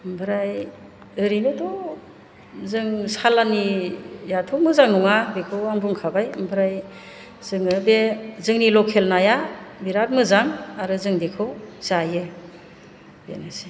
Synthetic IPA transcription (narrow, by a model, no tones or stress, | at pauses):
mbɯɾaj | ɯɾinɯdɔ | zɯŋsalanijatʰɔmɯzaŋnuŋabekʰɯwaŋbuŋkʰabajmbʰʱɯɾaj | z̥ɯŋɯbezɯŋnilɔkʰelnajabiɾak̚mɯzaŋaɾɯzɯŋdekʰɯwzajɯ | bḛnasi̥